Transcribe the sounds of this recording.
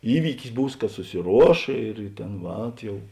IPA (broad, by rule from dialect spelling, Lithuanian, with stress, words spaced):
ˈiːʋʲiːkʲɪs ˈbuːs kɐ sʊsʲɪˈruɔʃ ɪr ˈtʲeːn ˈʋɐt ˈjɛʊ